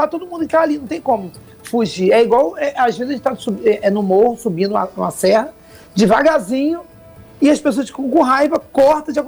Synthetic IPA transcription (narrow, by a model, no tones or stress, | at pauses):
at̪od̪ʊmũd̪ʊɪ̃t̪aːlinɐ̃w̃t̪ẽj̃kõmʊ | fuʒiɛiɡwawɛʔaʒveĩd̪ɐʒ̃t̪ãsubɛʔɛnʊmohʊsubĩnd̪ũɐũmɐsɛhɐ | d͡ʒɪvaɡazĩɲʊ | ɪɐspesoɐsfi̥kɐ̃w̃kõɦajvɐkɔɾt̪ɐ̃d͡ʒɪakõ